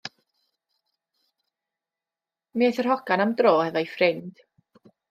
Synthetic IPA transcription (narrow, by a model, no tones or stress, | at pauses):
miaθərhɔɡanamdroːhɛvɔifrɪnd̥